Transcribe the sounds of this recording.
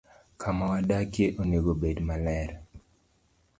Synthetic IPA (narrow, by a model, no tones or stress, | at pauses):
kʰamawadakjeʔoneɡobedmalɛɾ